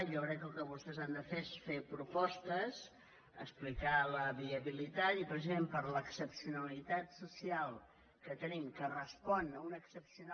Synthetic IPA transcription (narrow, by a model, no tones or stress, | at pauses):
ʒɔkɾɛkːəlˠkəβust̪ɛzand̪əfeesfepɾupɔst̪əz | ə̰splikaləβiəβilit̪at̪ipɾəsizmempəɾləksəpsiunəlit̪at̪susialˠ | kət̪ənimkərəspɔnəunəksəpsiun